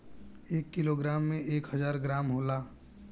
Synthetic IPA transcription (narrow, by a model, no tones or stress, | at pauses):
eːkːiloɡɾaːmːẽʔeːkɦəd͡ʒaːɾɡɾaːmɦoːlaː